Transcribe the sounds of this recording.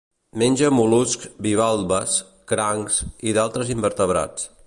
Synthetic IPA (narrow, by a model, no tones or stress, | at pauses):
menʲʒəmuluskbiβ̞alˠβəs | kɾaŋsiðalˠt̪ɾəzimbəɾt̪əβɾa̰t͡s